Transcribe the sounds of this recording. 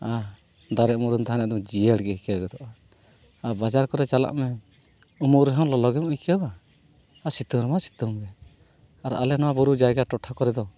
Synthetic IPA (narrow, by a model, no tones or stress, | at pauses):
a | d̪aɾɛʔmuɾunt̪aɦanɛd̪ɔmd͡ʒijəɽɡɛhikaɡɛd̪ɔʔa | abad͡ʒaɾkɔɾɛt͡ʃala̰ʔmɛ | umuɾɛɦɛ̃wlɔlɔɡɛmujkaba | asit̪umɾɛmasi̥t̪umbɛ | aɾa̰lɛnɔwabuɾud͡ʒajɡaʈɔʈʰakɔɾɛd̪ɔ